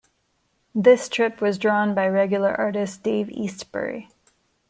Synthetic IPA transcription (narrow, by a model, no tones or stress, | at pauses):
ðɪstʰɹ̥ɪpwʌzdɹɔ̃nbaɪɹɛɡjl̩ˠə˞ʔɑɹɾɨsd̥eɪvḭstb̥ə̰˞ḭ